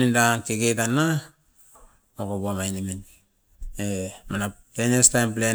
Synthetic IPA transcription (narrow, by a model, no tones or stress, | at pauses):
nindakiɡetanːa | okobomajnimin | emanatenestajmple